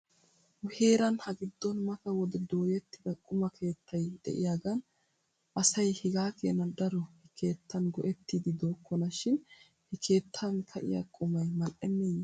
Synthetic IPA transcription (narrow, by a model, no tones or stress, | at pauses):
ʊhe̞ːɾɐnhɐɡɪd̪ːɔnmɐt̪ɐwɔd̪ɛd̪o̞ːjɛt̪ːɪd̪ɐkʼʊmɐkʰe̞ːt̪ʰːɐjd̪ɛ̰ʔɪ̰jaːɡɐn | ʔɐsɐjhɪɡaːkḛːnɐd̪ɐɾɔhɛkʰe̞ːt̪ʰːɐnɡɔʔɛt̪ːiːd̪ɪd̪o̞ːkːɔnɐʃɪn | hɛkʰe̞ːt̪ʰːɐnkʰɐʔɪ̰ja̰kʼʊmɐjmɐlʔɛmːeːj